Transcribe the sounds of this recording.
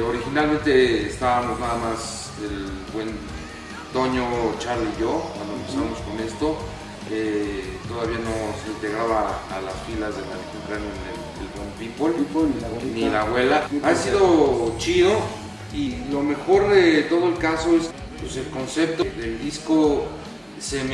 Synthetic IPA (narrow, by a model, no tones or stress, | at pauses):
oɾixinalment̪e̞ːst̪aβamoznaðamas | elbwe̞n | t̪o̞ɲo̞t͡ʃaɾliʝokwand̪oempesaβamoskone̞st̪o̞ | et̪o̞ðaβiano̞seʎeɣaβaːlasfilazðelakenk̪ɾanoenḛl | ḛlbwenfit̪̚bol | nilaβwe̞laasiðo̞t͡ʃiðo̞ | ilo̞me̞xo̞ɾðet̪o̞ð̞oe̞lkaso̞es | pwese̞lko̞nse̞p̚t̪oðeld̪isko | sem